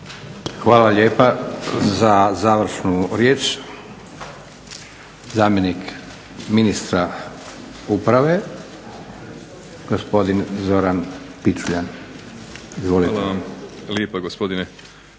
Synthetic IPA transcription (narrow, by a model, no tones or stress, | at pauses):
xʋaːlaʎe̞ːpazazaːʋrɾ̩ʃnuɾje̞ːt͡ʃ | zaːmjenik | minist̪ɾa | upɾaʋe̞ | ɡ̥ospo̞d̪inzo̞ɾanpit͡ʃuʎan | izʋo̞lit̪amljeːpaɡospod̪ine